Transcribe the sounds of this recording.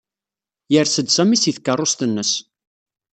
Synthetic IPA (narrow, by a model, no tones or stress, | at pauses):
jəɾsəd̪sæmisiθkːərˤːost̪ənːəs